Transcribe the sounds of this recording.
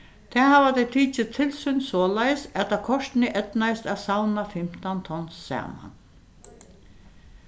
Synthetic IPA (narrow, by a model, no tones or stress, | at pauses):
t̪ʰɛːhaːʋat̪ɛt̪ʰiːt͡ʃɪt̪ʰɪlsʏnsɔːlajsɛt̪akʰɔʂt̪nɪʔɛt̪najst̪aʋsawnafɪm̥t̪ant̪ʰɔnsæ̰ːma̰n